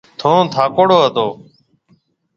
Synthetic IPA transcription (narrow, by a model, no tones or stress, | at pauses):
t̪ʰõːt̪ʰaːkoːɽoːɦət̪oː